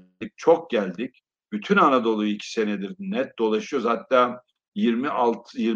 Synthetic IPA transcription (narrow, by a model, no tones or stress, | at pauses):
ic̚t͡ʃʰo̞k̚ɟælʲd̪ic | b̥yt̪ʰynanad̪o̞lˠujicʰi̥se̞nɛd̪iɾnɛt̪̚d̪o̞lˠaʃɯjoɾzhat̪ːaː | jiɾmiʔalˠt̪ʰjiɾ